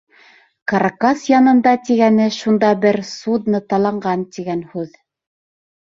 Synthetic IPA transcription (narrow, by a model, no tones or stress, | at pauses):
kɑɾkasjɑnɤ̆nd̪ɑt̪iɡænɘʃund̪ɑbɘɾsud̪nɤt̪ɑlˠɑɴɢɑnt̪iɡænhʉð